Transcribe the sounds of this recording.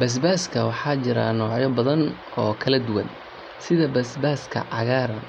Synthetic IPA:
bɐs̬baːskʰɐwɑħɑːt͡ʃɪɾa̰ːnɔːʕjɔbɐðɐn | ɔːkʰɐlɐd̪ʊwɐn | sɪðɐbɐsbaːskʰɐ̰ʕɑɣaːɾɐn

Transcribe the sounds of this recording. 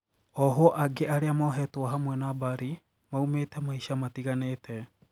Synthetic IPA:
ɔɦoɔʔaɡeaɾeamɔɦɛtoaɦamwɛnabaɾi | maumeːtɛmaiʃamatiɣaneːtʰɛ

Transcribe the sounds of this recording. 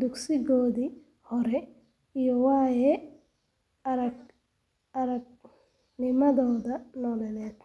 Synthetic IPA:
d̪uksɪɣɔːði | hɔɾɛ | ijɔwaːjɛ | ɾɐɡ | ɐɾɐɡ̚ | nɪmɐðɔːðɐnɔːlɛlɛːt̪

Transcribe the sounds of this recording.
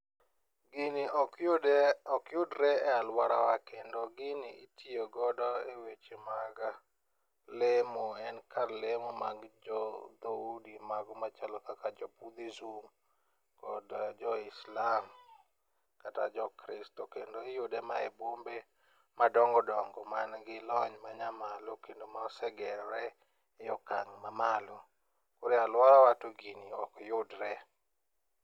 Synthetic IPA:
ɡɪnɪɔ | ɔkjʊdɾɛɛalwaɾawakendoɡɪnɪitioɡɔdɔewet͡ʃemaɡa | lemuɛnkʰaɾlemɔmaɡd͡ʒɔd̪audimaɡmat͡ʃalɔkakad͡ʒɔpud̪izum | kɔdd͡ʒɔɪslam | kata̰d͡ʒɔkɾɪstɔkendojʊdɛmaebombe | madɔŋɡɔdɔŋɡɔmanɡɪlɔɲmaɲamalokendomaɔsɛɡɛɾɾɛ | jɔkaŋmamalɔ | koɾɛalwaɾawatoɡiniɔkjʊdɾɛ

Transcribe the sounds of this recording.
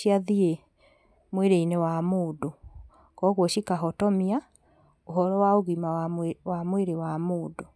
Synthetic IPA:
ʃiaðie | mweɾeinewamoːdo | kɔɣwɔʃikaɦɔtɔmia | oɦɔɾɔwaoɣimawamweɾewamoːdo

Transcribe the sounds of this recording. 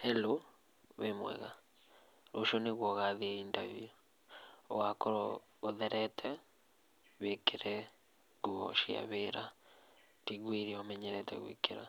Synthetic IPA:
hɛlo | βemwɛ̰ɣa | ɾoʃɔneɣwɔɣaðiintaviju | ɔwakɔɾɔ | ɔðɛɾɛtʰɛ | βekeɾɛ | ɡuɔ̰ʃia̰βeɾa | tiɣwiɾiɔmɛɲɛɾɛtɛ̰ɣwḭkeɾa̰

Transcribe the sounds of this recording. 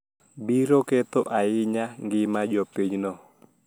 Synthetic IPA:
biɾoket̪oʔaɪɲaŋɡɪmad͡ʒɔpiɲnɔ

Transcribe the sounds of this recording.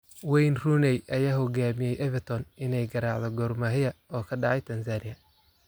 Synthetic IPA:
wɛjnrunɛjʔɐjaːɦɔɡaːmɪjɛjʔɛvɛt̪ʰɔnɪnɛjɡɐɾɑʕðɔɡɔːrmɐɦɪjɐɔːkʰɐɖɑʕɑjt̪ʰɐnsaːnɪjɐ

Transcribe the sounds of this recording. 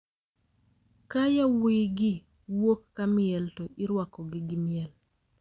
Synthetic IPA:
kajawiɡɪ | wokːamɪɛltɔʔɪɾwakɔɡɪɡɪmɪɛl

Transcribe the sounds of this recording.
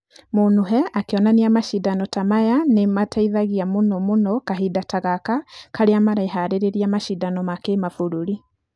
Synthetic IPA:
monoɦɛakeɔnaneamaʃidanɔtamajanemataiðaɣiamonɔmonɔkaɦidataɣakakaɾeamaɾaiɦaɾeɾeɾiamaʃidanɔmakemafoɾuɾi

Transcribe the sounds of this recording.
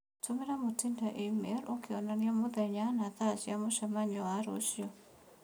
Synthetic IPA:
tumiɾamotindaʔimɾokiɔnaniamoðɛɲanaθasiamuʃɛmaɲɔwaɾo̰ʃjɔ

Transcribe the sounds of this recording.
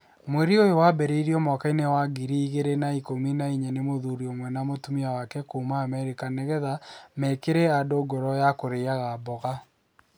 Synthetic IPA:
mweɾiojowabɛɾeiɾiɔmɔkainewaɡiɾiːɣeɾenaikominaiɲanemoðuɾiomwɛnamotumiawakɛkoumaːmɛɾikanɛɣɛðamɛkeɾɛadoɡɔɾɔjakoɾeaɣabɔɣa

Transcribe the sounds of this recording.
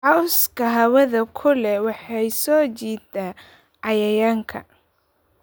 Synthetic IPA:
ʕɑwskʰɐɦɐwɐðɐkʰʊlɛwɑħɑjsɔːt͡ʃiːd̪aː | ʕɑjɐjaːŋkʰɐ̰

